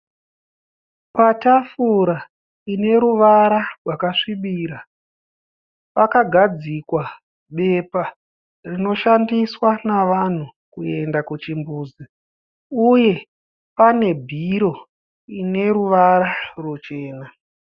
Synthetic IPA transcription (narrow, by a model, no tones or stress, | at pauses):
patafuɾa | ine̞ɾuʋaɾarwakaʂiɓiːɾa | pakaɡʱad͡zikwa | ɓe̞pa | rino̞ʃandiswanaʋan̤ukue̞ndakut͡ʃimbuːzi | uje̞ | pane̞bʱiɾo̞ | ine̞ɾuʋaɾarwut͡ʃe̞ːna